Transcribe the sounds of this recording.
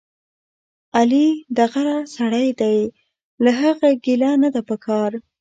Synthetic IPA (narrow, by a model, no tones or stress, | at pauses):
alid̪aɣaɾasaɽajd̪aj | laɦaɣaɡilanad̪apəkʰɑɾ